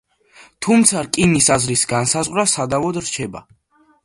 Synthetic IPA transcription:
t̪ʰumt̪sʰaɾkʼinisazɾisɡansazʁwɾasad̪avɔd̪ɾt͡ʃʰɛba̰

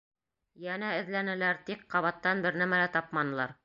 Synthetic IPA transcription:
jænæɘ̆ðlænɘ̆læɾt̪ikqːɑβɑt̪ːɑnbɘɾnæmælæt̪ɑpmɑnɤ̆lˠɑɾ

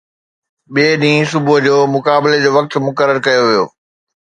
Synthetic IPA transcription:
ɓiːɗĩːsʊbʊɦd͡ʑoːmʊkaːbɪled͡ʑoːʋɐk̚t̪mʊkəɾəɾkɐjoʋijo̰ː

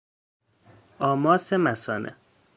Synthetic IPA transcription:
ɒːmɒːsemæsɒːnʔḛ

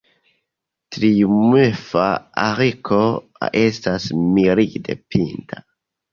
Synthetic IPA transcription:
tɾiumefaa̰ɾikʰo̰ | e̞stasmiɾide̞̰pintʰa

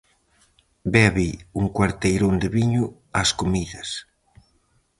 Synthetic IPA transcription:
bɛβiuŋkwaɾt̪ejɾond̪ɪβiɲʊ | askomiðɐs

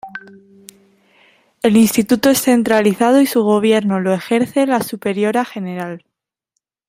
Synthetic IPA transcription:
e̞linst̪it̪ut̪oe̞sθe̞nt̪ɾaliθað̞oisuɣ̞o̞β̞je̞ɾnolo̞e̞xe̞ɾθe̞lasupe̞ɾjo̞ɾaxe̞ne̞ɾal

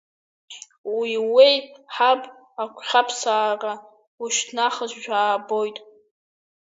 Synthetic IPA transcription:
wiwejħapʼ | akʷʰχʲapʰsaːra | wuʃtʰnaχəzʷʒᶣaːbo̞jtʼ

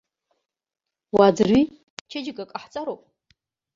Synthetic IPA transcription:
wad͡zɨrɥi | t͡ʃʰad͡ʒɪɡakʼaħt͡sʼaɾowpʼ

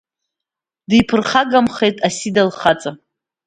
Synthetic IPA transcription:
dijpʰɨrχaɡamχe̞jtʼasidalχat͡sʼa

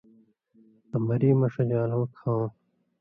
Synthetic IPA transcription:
ɐmɐɾiːmɐʂɐd͡ʑaːlõːkʰãː

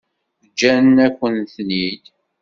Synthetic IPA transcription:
θd͡ʒːænækʷːənθnid̪

